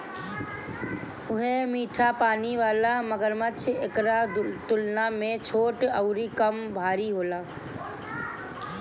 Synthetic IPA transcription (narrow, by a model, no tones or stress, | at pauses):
ʊɦemiːʈʰapaːniʋaːlaməɡəɾmət͡ʃʰekɾat̪ʊlnamẽt͡ʃʰoːʈəʊɾikəmbʱaːɾiɦoːlaː